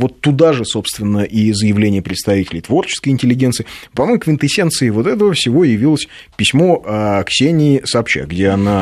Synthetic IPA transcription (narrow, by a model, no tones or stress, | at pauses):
vo̞t̪ːʊd̪aʐɨso̞pst̪vʲɪnːəʔizəjɪvlʲenʲɪjəpɾʲɪt̪st̪ɐvʲitʲɪlʲɪjt̪vo̞rt͡ɕɪ̥skəɨjɪnʲtʲɪlʲːɪɡʲensɨɪpɐmojkvʲɪnt̪ɨsʲent̪sɨɪvo̞t̪ɛt̪əvəfsʲɪvo̞jɪvʲilˠəsʲ | pʲɪsʲmo̞əksʲenʲɪːɪsəɐpɕa̰ɡdʲe̞ana